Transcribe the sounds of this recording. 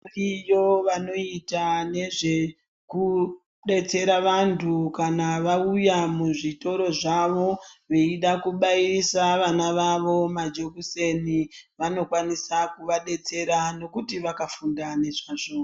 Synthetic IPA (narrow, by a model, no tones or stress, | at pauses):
ijo̞ʋano̞itane̞ʐe̞ | ku | ɗe̞t͡se̞ɾaʋantʰukanaʋaujamuʐito̞ɾo̞ʐaʋo̞ʋe̞iɗakuɓairisaʋanaʋaʋo̞mad͡ʒo̞kuse̞niʋano̞kwanisakuʋaɗe̞t͡se̞ɾano̞kutiʋakafundane̞ʐaʐo